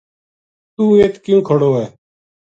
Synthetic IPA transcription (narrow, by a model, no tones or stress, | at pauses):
t̪uːeːt̪kjũːkʰəɽoːɛː